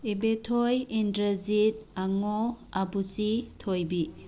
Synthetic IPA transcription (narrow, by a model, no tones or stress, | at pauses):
ibetʰojindɾɐzit̚aŋoabusitʰojbi